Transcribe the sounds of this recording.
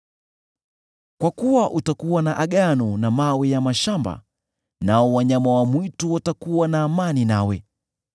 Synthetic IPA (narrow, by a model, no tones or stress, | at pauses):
kwakuwaʔutakuwanaʔaɠanɔnamawɛjamaʃamba̰ | naɔwaɲamawamwituwatakuwanaːmaninawɛ